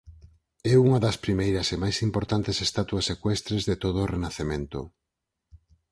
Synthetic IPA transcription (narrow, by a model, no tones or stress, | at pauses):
ɛuŋɐðɐspɾimejɾɐsemajsimpoɾt̪ant̪esest̪at̪wɐsːekwɛst̪ɾezðet̪oð̞oːrenaθemẽnt̪ʊ